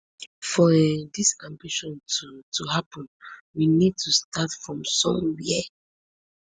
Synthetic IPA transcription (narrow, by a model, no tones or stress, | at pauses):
fɔɛdiskãmbiʃɔ̃ntutʰuhapə̃nwinid̚tʰustʰatfɹɔ̃msɔ̃mwiɛ